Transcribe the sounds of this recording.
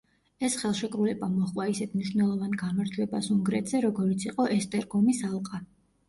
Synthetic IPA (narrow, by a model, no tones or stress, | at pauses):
ɛsχɛlˠʃɛkʼɾulɛbamɔχvaisɛt̪ʰmniʃwnɛlˠɔvanɡamaɾd͡ʒwɛbasuŋɡɾɛt̪ʰz̥ɛɾɔɡɔɾit̪sʰiqʼɔʔɛst̪ʼɛɾɡɔmisalˠqʼa